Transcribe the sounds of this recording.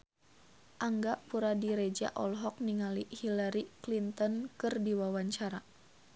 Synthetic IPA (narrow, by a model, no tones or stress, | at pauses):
ʔaŋɡaʔpuɾadiɾed͡ʒa̰ʔɔlɦɔk̚niŋalihilaɾiklint̪ɔnkɨrdiwawaɲt͡ʃaɾa